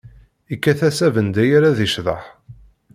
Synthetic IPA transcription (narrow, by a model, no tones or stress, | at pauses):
ikːæθæsævənd̪æjaɾaðiʃðˤə̰ħ